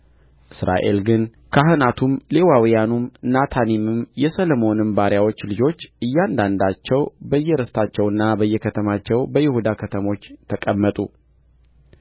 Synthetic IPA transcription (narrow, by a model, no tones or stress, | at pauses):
ʔɨsɾa̰ʔe̞̰lɡɨn | kʰaɦɨnat̪ʰumle̞wawijanumnat̪ʰanimɨmjɛsəlomo̞nɨmbaɾjawo̞t͡ʃːlɨd͡ʒo̞t͡ʃːʔɨjːand̪and̪at͡ʃːɛwbəjːɛɾəst̪ʰat͡ʃːɛwɨnːabəjːɛkʰət̪ʰəmat͡ʃːɛwbəjɪhud̪akʰət̪ʰəmo̞t͡ʃːt̪ʰəkʼəmːət̪ʼṵ